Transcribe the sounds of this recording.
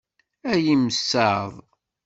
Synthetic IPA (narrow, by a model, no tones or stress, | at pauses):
æjiməsːəðˤ